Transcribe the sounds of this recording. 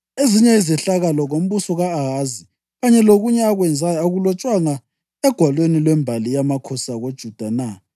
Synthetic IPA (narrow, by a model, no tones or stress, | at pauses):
eziɲɛizɛɬaɣalɔɣom̩βusɔɣaːɣazi | ɣaɲɛloɣuɲɛaɣwɛnd͡zʱajaɣulɔt͡ʃʼwaŋa | ɛɡ̥ʱwalwenilwɛmbʱalijamakʰɔsaɣod̥ʒ̥ʱud̥ʱana